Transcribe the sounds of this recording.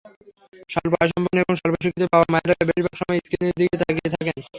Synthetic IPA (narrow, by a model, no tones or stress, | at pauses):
ʃɔlbaaʃ̬ɔmbʱonebɔŋʃɔlboʃokit̪epaoamaeɾaebeiɾbʱakʃɔmɔjiskined̪iɡet̪akiet̪ʰaken